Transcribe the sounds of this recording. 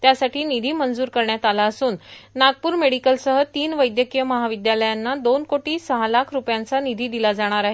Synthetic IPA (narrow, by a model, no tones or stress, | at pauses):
t̪jasaʈiːnid̪ʱiːmənd͡zuːɾkəɾɳjat̪alaəsuːnːaɡ̚puːɾmeɽikəlsəɦət̪iːnʋəjd̪jəkijəməɦaʋid̪jaləjanːad̪onkoʈiːsəɦalakʰɾupjant͡sanid̪ʱiːd̪ilad͡zaɽ̃aɾaɦe